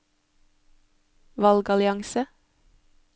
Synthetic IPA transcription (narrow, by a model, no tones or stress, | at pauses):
ʋɑlɡɑlɪɑŋsə